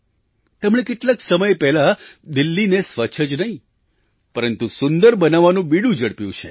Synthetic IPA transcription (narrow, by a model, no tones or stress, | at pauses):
t̪ɛmɽ̃ekeʈlaksəməjpɛɦlad̪ilːinesʋəːt͡ʃʰəd͡ʒnəɦĩ | pəɾənt̪usʊnd̪əɾbənaʋːanũbiɽũd͡ʒəɽpjũt͡ʃʰḛ